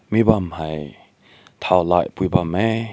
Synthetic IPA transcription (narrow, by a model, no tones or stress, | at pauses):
mibamhaj | t̪ʰawla̰jpujbamɛ